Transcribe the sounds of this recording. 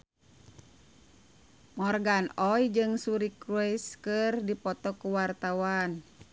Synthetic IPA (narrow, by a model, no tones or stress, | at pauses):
mɔrɡanɔjd͡ʒɨŋsuɾikɾuɛskɨrdipɔt̪ɔkuwart̪awan